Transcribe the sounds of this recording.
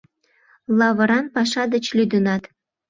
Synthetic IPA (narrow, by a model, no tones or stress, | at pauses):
lˠɑβɤ̆ɾɑnpɑʃɑd̪ət͡ɕlʲyd̪ə̆nɑt̪